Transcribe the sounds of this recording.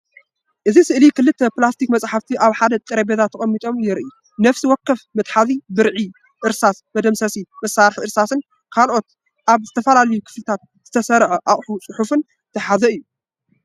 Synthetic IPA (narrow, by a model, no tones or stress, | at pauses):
ʔɨzisɨʔlikɨlːɨt̪ʰːɐplast̪ʰikmɐt͡sʼħaft̪ʰiʔaβħad̪ɐt̪ʼɨɾɐbezat̪ʰːɐχʼɐmːit̪ʼo̞mjɪɾʔi | nɐfsiwɔkːɐfmɨt̪ʼħaðibɨɾʕi | ʔɨɾsasmɐd̪ɐmsɐsimɐsaɾħiʔɨɾsasɨn | kʰalʔot̪ | ʔaβzɨt̪ʰɐfɐlalɐjukʰɨ̥flɨt̪ʰat̪̚z̥ɨt̪ʰɐsɐɾʕɐʔaχʼħut͡sʼʊħufɨn | t̪ʰɐħazɐɨjːu